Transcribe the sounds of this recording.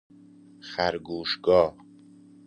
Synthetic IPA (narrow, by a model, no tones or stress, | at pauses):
xæɾɡuːʃɡɒː